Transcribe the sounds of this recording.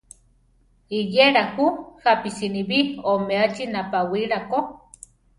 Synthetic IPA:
ijeɾahuhapisiniβiomeat͡ʃinapawiɾako

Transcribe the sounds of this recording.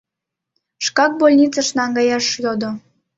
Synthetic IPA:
ʃkɑk̚bolʲnʲit͡sɑʃnɑŋɡɑjɑʃjod̪o

